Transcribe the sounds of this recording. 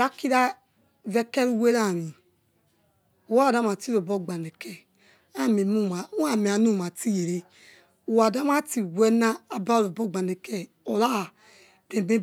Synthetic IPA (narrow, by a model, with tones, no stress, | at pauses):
ɾa˦ki˦ɾa˦ | ve˦kɛ˦ɾu˦we˦ɾa˦˨ɾi˨ | o˨wa˦˨da˦ma˨ti˦ɾo˨bo˦ɡ͡ba˨ne˨kɛ˦ | a˦˨me˨mu˦˨ma˨u˦a˨me˨a˨nu˦˨ma˨ti˦je˨ɾe˦ | u˨wa˨da˦ma˦ti˨we˦na˦a˨ba˦˨ɾo˨bo˦ɡ͡ba˨ne˨kɛ˦ | o˨la˦˨ | de˨be˦